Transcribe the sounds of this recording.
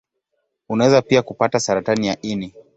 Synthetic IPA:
unawɛzapiakupatasaɾatanijaʔini

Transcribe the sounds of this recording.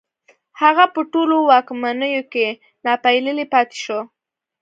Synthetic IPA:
haɣapəʈolowɑkmanəjoke | nɑpajləlepɑt̪e̥ʃo

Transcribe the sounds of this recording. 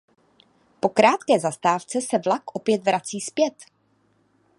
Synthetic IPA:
po̞kɾaːt̪kɛːzast̪aːft͡sɛsɛvlakʔopjɛt̪vɾat͡siːspjɛt̪

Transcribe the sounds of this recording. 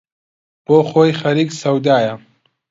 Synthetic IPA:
b̥oːχoːjxɐɾiːksɐwd̪aːjɐ

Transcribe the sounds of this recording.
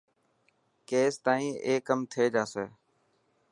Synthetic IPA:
keːst̪aːĩːʔeːkəmt̪ʰeːd͡ʒaːseː

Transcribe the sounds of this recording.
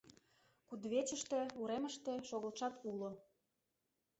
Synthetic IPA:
kud̪βet͡ɕəʃt̪ĕuɾemə̆ʃt̪ĕʃoɣə̆lʃɑt̪ulo

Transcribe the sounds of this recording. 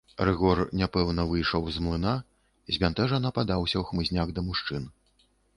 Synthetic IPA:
ɾɨɣɔrnʲapɛwnɐvɨjʂɔwzmlˠɨna | zʲbʲant̪ɛʐɐnɐpad̪awsʲɐwxmɨzʲnʲaɣd̪ɐmuʂt͡ʂɨn

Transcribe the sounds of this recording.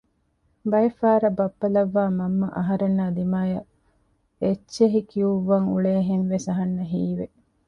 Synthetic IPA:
bɐjɐfaːɾɐbɐpːɐlɐʋːaːmɐmːɐʔɐɦɐɾenːaːd̪imaːjɐ | et͡ʃːeɦikiuʋːɐŋuɭeːɦenʋesɐɦɐnːɐɦiːʋe

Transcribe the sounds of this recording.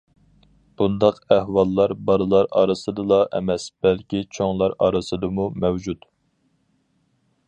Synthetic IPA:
b̥und̪ɑqæhwɑlˠːɑɾbɑɾɨlˠɑɾɑ̰ːɾɨsɨd̪ɨlˠɑʔɛ̰mɛsb̥ɛlkʲit͡ʃʰoŋlˠɑɾɑ̰ːɾɨsɨd̪ɨmumɛwd͡ʒut̪

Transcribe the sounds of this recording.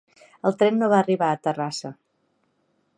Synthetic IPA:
əlˠt̪ɾɛnːoβaːriβaət̪ərasə

